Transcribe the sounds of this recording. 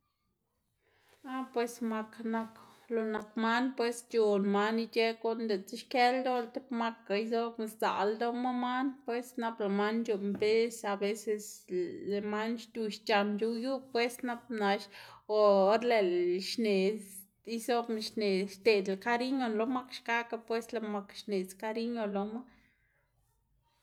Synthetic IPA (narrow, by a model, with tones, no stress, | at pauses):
a˦pwe˧sma˧kna˧k | lo˨na˨kma˦npwe˦st͡ʃo˨nma˧˦ni˧t͡ʃe˦ko˦nd̪e˨t͡se˦ʃke˦ld̪o˦lt̪e˦pma˦˧ka˨i˦zo˦be˧sza̰˨ld̪o˦ma˦ma˦npwe˦sna˦˧plo˨ma˦nt͡ʃo˧mbe˦sa˧be˦se˧sle˨ma˦nʃt̪ʲu˧ʃt͡ʃa˨˧nt͡ʃu˧ju˦pːwe˦sna˦p̚na˧ʃo˨˦ɾle˨lʃne˨ | i˦zo˦bʃne˨ʃt̪e˨d̪e˨ka˦ɾi˦ɲo˧lo˧ma˦kʃka˦ka˧pwe˦sla˧ma˧kʃne˨t͡ska˦ɾi˦ɲo˧lo˧ma˦